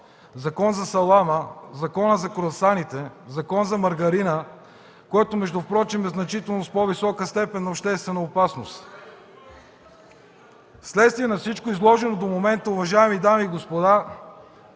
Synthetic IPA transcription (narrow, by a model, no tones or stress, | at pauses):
zɐkɔnzɐsɐlˠaməzɐkɔnəzɐkoɾɐsanit̪ɛzɐkɔnzɐmɐɾɡɐɾinə | koɛt̪omɛʒd̪ʊfpɾɔt͡ʃimɛznɐt͡ʃit̪ɛlˠnospɔvisɔkəst̪ɛpɛnːɐopʃt̪ɛst̪vɛnəopasnost̪ | slɛt̪st̪viɛnɐfsit͡ʃkoizlˠɔʒɛnod̪omomɛnt̪əʊvɐʒaɛmid̪amiːɡospod̪a